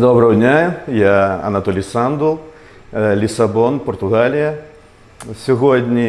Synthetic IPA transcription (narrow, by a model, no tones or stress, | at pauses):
d̪ɔbɾəədʲnʲajaɐ̰nɐt̪ɔlʲijsand̪ulˠ | lʲisɐbɔnpɔrt̪ʊɣalʲɪjɐ | sʲʊɣɔd̪ʲnʲi